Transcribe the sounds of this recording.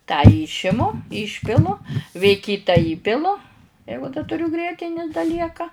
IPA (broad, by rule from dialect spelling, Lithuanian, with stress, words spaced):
tɑː ˈiːʃʲɪmʊ ˈiːʃʲpʲɪlˠʊ ʋʲeː ˈkʲiːtɐ ˈiːpʲɪlˠʊ ˈjɛɪɡʊ dɐ tʊˈrʲʊ ˈɡrʲiɛtʲɪnʲɪ dɐ ˈlʲiɛkɐ